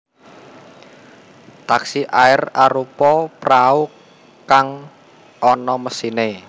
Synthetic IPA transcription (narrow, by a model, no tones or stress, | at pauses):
t̪aksiʔaɪraɾupɔprau | kaŋ | ʔɔnɔməsine